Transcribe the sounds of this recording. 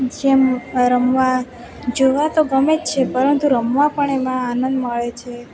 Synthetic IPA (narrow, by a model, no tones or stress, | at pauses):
d͡ʒemɾəmʋa | d͡ʒoʋat̪oɡəmed͡ʒt͡ʃʰepəɾənt̪uɾəmʋãpəɳemãanənd̪məɭet͡ʃʰe